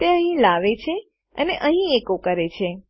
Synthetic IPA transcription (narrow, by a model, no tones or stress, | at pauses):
t̪eəɦĩlaʋet͡ʃʰe | əneʔəɦĩekokəɾet͡ʃʰe